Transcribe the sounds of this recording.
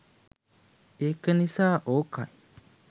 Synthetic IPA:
ekənisaʔoka̰j

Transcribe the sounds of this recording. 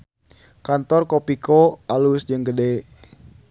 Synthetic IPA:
kant̪ɔrkopikoalusd͡ʒɨŋɡəde

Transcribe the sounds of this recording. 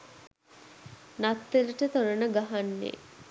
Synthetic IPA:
nat̪ːeɾəʈət̪oɾənəɡaɦanːḛ

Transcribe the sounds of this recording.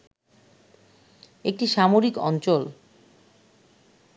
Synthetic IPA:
ek̚ʈiʃamoɾikɔ̰nt͡ɕol

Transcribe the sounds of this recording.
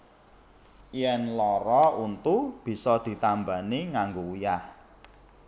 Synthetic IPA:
jɛnlɔɾɔunt̪ub̥i̤sɔd̪̥i̤t̪ambaniŋaŋɡoujah

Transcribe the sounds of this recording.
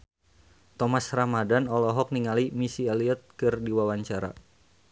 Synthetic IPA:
t̪ɔmasramadanɔlɔɦɔk̚niŋalimisialiɔt̪̚kɨrdiwawaɲt͡ʃaɾa̰

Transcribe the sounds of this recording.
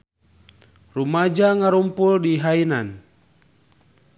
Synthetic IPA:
rumad͡ʒaŋaɾumpuldiɦainan

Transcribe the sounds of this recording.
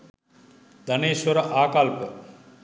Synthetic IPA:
d̪ʱɐneːswəɾaːkalpə

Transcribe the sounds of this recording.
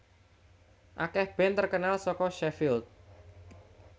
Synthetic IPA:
ʔakɛhb̥ɛnt̪ərkənalsɔkɔʃɛfɪlt̪̚

